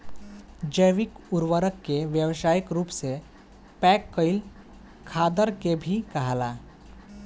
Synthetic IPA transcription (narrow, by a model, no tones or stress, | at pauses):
d͡ʑəjʋikuɾʋəɾəkːeʋjəʋɕajikɾuːpse | pɛkːəil | kʰad̪əɾkebʱiːkəɦla